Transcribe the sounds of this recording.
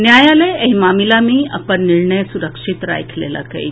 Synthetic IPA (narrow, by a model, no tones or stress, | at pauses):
njajaleəɦimamilamiːa̰pəɳniɾɳəjsuɾəkʂit̪ɾa̰jkʰlḛla̰ka̰ḭ